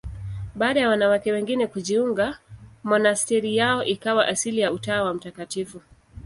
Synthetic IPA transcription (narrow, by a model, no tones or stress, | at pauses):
ɓaːɗajawanawakɛwɛŋɡinɛkuʄiuŋɡamɔnastɛɾijaɔʔikawaʔasilijautaːwam̩takatifu